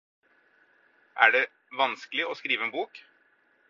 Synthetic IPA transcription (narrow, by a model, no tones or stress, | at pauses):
ʔæ̰ɖɛ | ʋɑnskəlɪʔɔskɾiːʋəeːnbuːk